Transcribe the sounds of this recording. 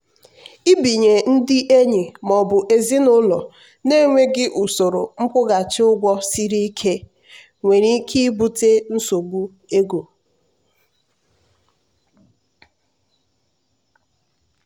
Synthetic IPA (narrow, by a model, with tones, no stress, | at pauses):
i˦bi˨ɲe˨n̩˦dɪ˦ʔe˦ɲi˨mɔ˨bʊ˨ʔe˨zi˦nʊ˦lɔ˨ | ne˦˨ŋʷe˦ɡɪ˦ʔu˨so˨ɾo˨ŋ͡m̩˦kʷʊ˦ɡa˨t͡ʃɪ˦ʊ˦ɡʷɔ˦si˦ɾi˦i˦kʰe˦ | ŋʷe˨ɾi˦kʰi˦bu˦te˦n̩˦so˨bu˦ | e˦ɡo˨